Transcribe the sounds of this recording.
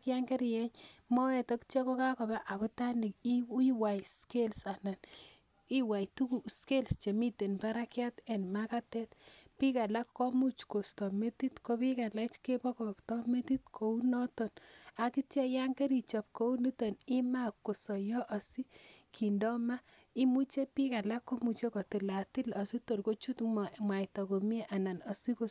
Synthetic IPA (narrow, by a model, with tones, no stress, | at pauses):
kja˦ŋɡɛ˦ɾi˨jɛ˦ɲmɔ˦ɛ˨tɔ˦kt͡ʃe˦ko˦ka˦kɔ˨ba˦ʔa˨kɔ˦ta˦ni˨k̚i˦iwa˨jske˦lsa˨na˨n | i˦wa˨jtu˦ku˨ske˦lst͡ʃe˨mi˦te˨npa˦ɾakja˦tɛ˨nmaka˦tɛ˦tpi˦ka˨la˦kːɔ˦mu˦t͡ʃko˨stɔ˨me˦ti˦tko˦pi˦ka˨la˦t͡ʃke˦pɔ˦kɔ˨ktɔ˦me˦ti˦tkʰo˨u˦nɔ˦tɔ˨na˨ki˦t͡ʃe˦ja˦ŋɡe˦ɾi˨t͡ʃɔ˨p̚ko˦u˦ni˦tɔ˨ni˦ma˦kːo˨sɔ˨jɔ˦ʔa˨si˦kʰi˨ndɔ˦ma˦ | i˦mu˦t͡ʃe˦pi˦ka˨la˦kːɔ˦mu˨t͡ʃe˦kɔ˨ti˨la˨ti˦la˨si˦to˨rko˦t͡ʃu˦tmwa˨jtɔ˨ko˨m˦e˦ʔa˨na˨nɔ˨si˦ko˨